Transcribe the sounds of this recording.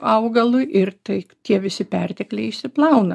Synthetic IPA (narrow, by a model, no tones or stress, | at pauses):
ɐʊɡɐlˠʊʔɪrt̪ɐɪt̪ʲiɛʋʲɪsʲɪpʲɛrʲt̪ʲɛklʲɛɪɪʃʲsʲɪplˠɐʊnɐ